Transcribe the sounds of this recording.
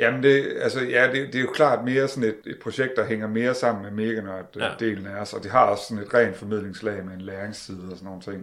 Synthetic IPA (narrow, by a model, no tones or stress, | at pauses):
jæmend̥e̝ælsəjæd̥e̝d̥e̝æɐjo̝kʰlɑ̰̈ːd̥me̝ːɐsɒ̽ne̝d̥e̝d̥̚pʰʁo̝ɕeɡ̥̚d̥ɑ̈ɦeŋ̰ɐme̝ːɐsɑ̈m̰n̩meme̝ːɡ̥ænɒæd̥d̥e̝̰ːln̩æɒsɒ̽d̥e̝ɦɑ̈ɒ̽ssɒ̽ne̝d̥ʁɛ̰ːnd̥fɒ̽mið̞̰ˠle̝ŋslɛ̰ɪmeenlæːeŋst͡sʰiːð̞̩ˠəɒsɒnːo̝ːnt͡sʰe̝ŋ̰